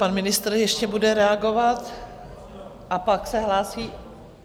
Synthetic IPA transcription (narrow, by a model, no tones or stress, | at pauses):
panmɪnɪst̪r̩jɛʃcɛbudɛɾɛaɡovat̪ | ʔapaksɛɦlaːsiː